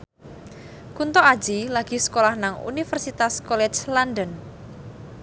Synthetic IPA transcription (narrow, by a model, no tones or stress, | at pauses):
kunt̪ɔḁd͡ʒilaɡ̥i̤sə̥kolahnaŋṵnifɛrsit̪askɔlɛt͡ʃlandən